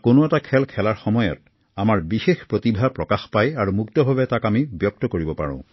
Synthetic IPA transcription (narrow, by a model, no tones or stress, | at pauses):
konoɛtakʰɛlkʰɛlaɹxɔmɔjɔ̰t | amaɹbixexpɹotibʱapɹɔkaxpajaɹumuktɔbʱabɛtakamibjɔk̚tɔkoɹibɔpa̰ɹɔ̰̃ʊ̃